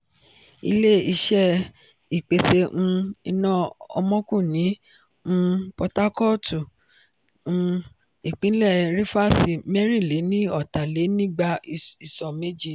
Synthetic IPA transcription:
ḭ˧le˦i˧ʃɛ˦ | i˨k͡pe˧se˧ʔũ˧i˧nã˦ɔ̰˧mɔ̃˦kũ˦˨nĩ˨˦˧ | pɔ˧ta˦kɔ˦tʰu˨ | ũ˧ | i˨k͡pĩ˨˦lɛ˦˨ɾi˦fa˦˨si˨mɛ˦ɾ̃ĩ˦˨le˨˦nĩ˦ɔ˦˨ta˨le˨˦nĩ˦ɡ͡ba˧i˨sɔ˨me˦d͡ʒi˦

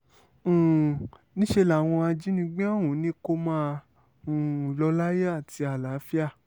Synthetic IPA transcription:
nĩ˦ʃe˧la˨w̃ɔ̃˧a˧d͡ʒi˦nĩ˦ɡ͡bẽ˦a˦˨wũ˨˦nĩ˨˦ko˦mãː˦ | ũ˨˧˨lɔ˧˦la˦je˦a˦˨ti˧a˨la˨˦fi˦a˦˨

